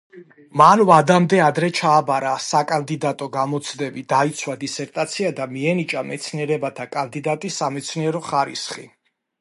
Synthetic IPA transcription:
manvad̪amd̪ɛad̪ɾɛt͡ʃʰaːbaɾasakʼand̪id̪at̪ʼɔɡamɔt̪sʰd̪ɛbid̪ait̪sʰwad̪isɛɾt̪ʼat̪sʰiad̪amiɛnit͡ʃʼamɛt̪sʰniɛɾɛbat̪ʰakʼand̪id̪at̪ʼisːamɛt̪sʰniɛɾɔχaɾḭsχḭ

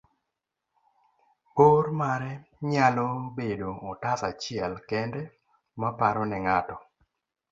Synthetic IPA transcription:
oɾmaɾɛɲalɔbedoːtatat͡ʃɪɛlkɛndɛ | mapaɾɔnɪŋatɔ

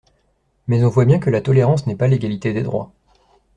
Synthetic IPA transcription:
mɛzɔ̃vwabjɛ̃kəlat̪ɔleʁɑ̃snɛpaleɡʲalit̪ed̪ed̪ʁwa̰

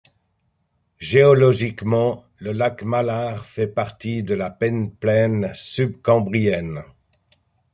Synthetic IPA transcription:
ʒeɔlɔʒikmɑ̃ | ləlakmalaʁfɛpaʁt̪id̪əlapɛnplɛnsyb̚kɑ̃bʁijɛn

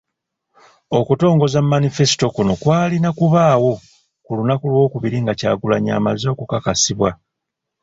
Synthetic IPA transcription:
o̞kuto̞ːŋɡo̞zamːanife̞si̥to̞kuno̞kwaːlinakuβaːwo̞ | kulunakulwo̞ːkuβiɾiŋɡaca̰ːɡulaɲa̰ːmazo̞ːkukakasiβwa

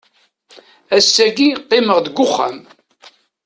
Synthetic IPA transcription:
æsːæɡiqːɪməʁd̪ɡʷːʊχːæm

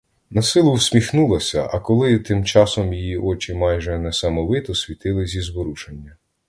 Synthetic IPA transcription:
nɐsɪlˠʊwsʲmʲixnulˠɐsʲɐʔɐkɔlˠɪt̪ɪmt͡ʃɑsɔmjijiʔɔt͡ʃɪmɑjʒɛnɛsɐmɔʋɪt̪ɔsʲʋʲit̪ɪlˠɪzʲizbɔɾut͡ʃenʲːɐ

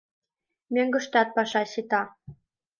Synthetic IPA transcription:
møŋɡə̆ʃt̪ɑt̪̚pɑʃɑɕit̪ɑ

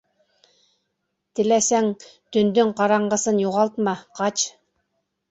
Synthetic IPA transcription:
t̪ɪ̆læsæŋt̪ɵ̆nd̪yŋqɑɾɑɴɢɤ̆sɤnjuʁɑlˠt̪mɑqʰɑt͡ʃ

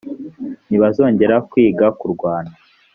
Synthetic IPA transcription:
niβazo̞ːɲɟe̞ɾakwiːɡakuɾɡwaːna

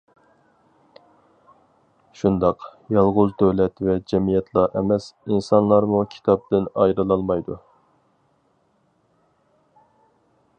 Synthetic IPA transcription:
ʃund̪ɑqjɑlˠʁʊzd̪øwlɛt̪vɛd͡ʒɛmijɛt̪ʰlˠɑʔɛmɛsinsɑnlˠɑɾmukʲʰi̥t̪ʰɑp̚d̪ɪnɑjɾɨlˠɑlˠmɑjd̪u

